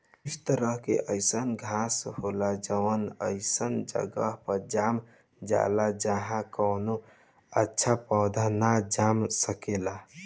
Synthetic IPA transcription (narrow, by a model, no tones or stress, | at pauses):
st̪əɾəɦkḛʔəɪsənɡʱasholad͡ʒəʋənəɪsənd͡ʒə̰ɡəɦpəɾd͡ʒam | d͡ʒa̰lad͡ʒəɦãkəwno | ətːʃʰapɔwd̪ʱanad͡ʒamsəkela